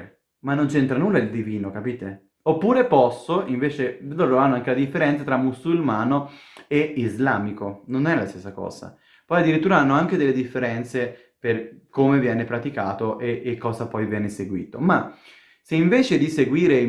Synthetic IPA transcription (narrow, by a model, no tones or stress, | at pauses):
manːont͡ʃɛnt̪ɾanuːlːaild̪iviːnokapiːt̪e | opːuːɾepɔsːoiɱveːt͡ʃed̪oɾoanːoaŋkelad̪ifːeɾɛnt̪sat̪ɾamːusulmaːnoeizlaːmikononɛlast̪esːakɔ̰ːz̥a̰ | pɔjad̪ːiɾit̪ːuːɾaanːoaŋk̟ed̪elːed̪ifːeɾɛnt̪se | perkomevjɛːnepɾat̪ikaːt̪oʔeʔːkːɔːzapɔjvjɛːneseɡwḭːt̪oma | seiɱveːt͡ʃed̪iseɡwiːɾe